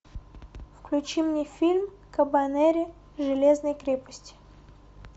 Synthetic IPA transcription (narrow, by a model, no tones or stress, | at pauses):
fklʲʉt͡ɕimnʲefʲilʲm | kəbanɛɾʲɪ | ʐɨlʲeznəjkɾʲepə̥sʲtʲɪ̥